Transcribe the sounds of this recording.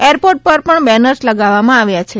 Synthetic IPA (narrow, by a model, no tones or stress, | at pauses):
eɾpoɾʈ̚pəɾpəɳbɛnəɾsləɡaʋːamãaʋjat͡ʃʰe